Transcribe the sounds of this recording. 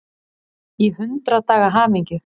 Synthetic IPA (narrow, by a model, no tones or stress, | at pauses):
iɦʏnt̪ɾat̪aːɣaɦaːmiɲcʏ